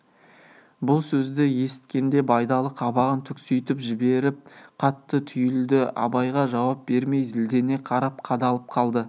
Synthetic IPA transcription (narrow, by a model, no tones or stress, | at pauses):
bʊlˠsɵzd̪ɪje̞sɪ̥t̪kʲe̞nd̪e̞bɑjd̪ɑlˠəqʰɑbɑʁənt̪ʰʏksʏjt̪ɪpʒɪbe̞ɾɪp̚qʰɑt̪ːət̪ʰʏjɪld̪ɪɑ̰bɑjʁɑʒɑwɑp̚b̥e̞ɾme̞jzɪld̪e̞ne̞qʰɑɾɑp̚qʰɑd̪ɑlˠəp̚qʰɑlˠd̪ə